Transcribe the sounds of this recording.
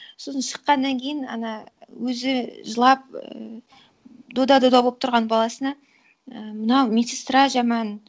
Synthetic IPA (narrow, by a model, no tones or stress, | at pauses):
so̞sənʃə̥qːɑnːɑŋkʲʰejɪnɑ̰nɑwɵzɪʒəlˠɑp̚ə | d̪o̞d̪ɑd̪od̪ɑboəp̚t̪ʰɾʁɑnbɑlˠɑsənɑ | əmənɑwmʲesɪst̪ɾaʒɑmɑn